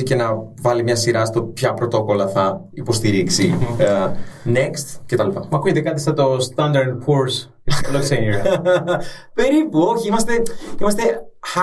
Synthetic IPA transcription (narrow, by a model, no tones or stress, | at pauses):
ice̞nɐvɐlimɲɐsiɾɐst̪o̞pçɐpɾo̞t̪o̞ko̞lɐθɐ | ipo̞st̪iɾiksi | nekst̪ce̞t̪ɐlipɐ̰mɐkuʝe̞t̪ekɐt̪ist̪ɐt̪o̞st̪ɐnd̪ɐɾd̪̚pʰuɾs | lokseni | peɾipoçiimɐst̪e̞imɐst̪e̞